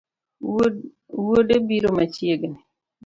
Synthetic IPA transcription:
wodebiɾomat͡ʃjeɡni

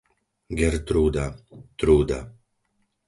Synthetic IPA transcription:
ɡɛɾt̪ɾuːd̪at̪ɾuːd̪a

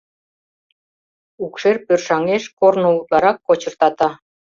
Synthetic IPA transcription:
ukʃerpørʃɑŋeʃkornŏut̪lˠɑɾɑkːot͡ɕɤ̆rt̪ɑt̪ɑ

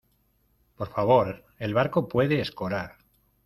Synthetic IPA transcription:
po̞ɾfaβo̞ɾ | e̞lβaɾko̞pwe̞ðe̞ːsko̞ɾaɾ

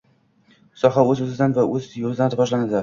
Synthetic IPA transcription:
sɒɦaɵzɵzɪd̪anvaʔɵzjozɪd̪anɾɪvɒʒlanad̪ɪ

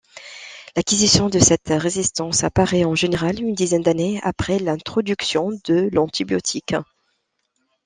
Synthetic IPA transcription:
lakʲizisjɔ̃d̪əsɛt̪ʁezist̪ɑ̃sapaʁɛɑ̃ʒeneʁalynd̪izɛnd̪anea̰pχɛlɛ̃t̪χɔd̪yksjɔ̃d̪əlɑ̃t̪ʰibjɔ̰t̪ʰik

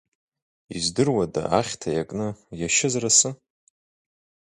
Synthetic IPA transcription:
izdɨrwada̰ʔaχʲtʰajakʼnɨjaʃɪzrasɨ

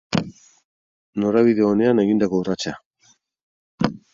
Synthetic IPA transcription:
noɾaβiðeone̞aneɣind̪akourat͡ʃa

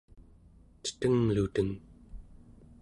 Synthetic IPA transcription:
t͡ʃə̥t̪əŋlut̪əŋ

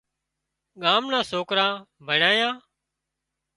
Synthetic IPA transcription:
ɠaːmnãːsoːkɾãː | bʱəɳaːjãː

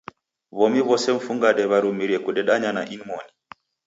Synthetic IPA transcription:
βɔmiβɔsɛɱ̩fuŋɡaɗɛβaɾumiɾiɛkuɗɛɗaɲanaʔinmɔni

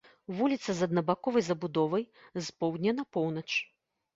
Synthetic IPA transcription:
vulʲit̪sɐzɐd̪nɐbakɔvɐjzɐbud̪ɔvɐjzpɔwd̪ʲnʲɛnɐpɔwnɐt͡ʂ

